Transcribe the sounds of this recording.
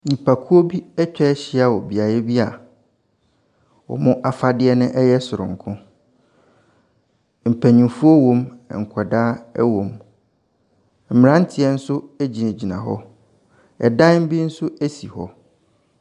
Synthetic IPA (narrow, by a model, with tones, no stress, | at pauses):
ɲĩ˨pʰa˨kʰu˦o˦bi˦ɛ˦t͡ɕᶣɛ˦ɕɪ˦a˨wɔ˨bi˨a˨jɛ˦bi˦a˨ | wɔ̰˨mʊ̃˦ʔa˦fa˦dɪ˦ɛ˦nʊ̃˦ʔɛ˦jɛ˦sʊ˨ɾʊ̰̃˨ŋ̩˨kʰʊ̃˦ | m̩˨pʰæ˨ɲĩ˨fu˦o˦wõ˦m˨ŋ̩˨kʰɛ˨daː˦ɛ˦wõ˨m | m̩˨mɪ̃˨ɾã˦n̩˦tʰɪ˨ɛ˦n̩˦sʊ˦æ˦d͡ʑi˨næ̃˨d͡ʑi˨nã̰˨ɦɔ̰˦ | ɛ̰˨dã˦m̩˦bi˦n̩˦sʊ˦æ˦si˨hɔ̰˦